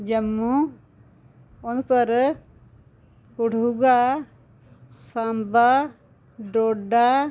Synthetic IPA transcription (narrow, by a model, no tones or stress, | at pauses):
d͡ʒəmːu | ɔnpəɾ | kuɽuɡa | samba | ɖoɖa